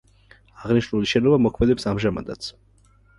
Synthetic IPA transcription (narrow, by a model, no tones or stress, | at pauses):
aʁniʃnuliʃɛnɔvamɔkʰmɛd̪ɛpsamʒama̰d̪at̪sʰ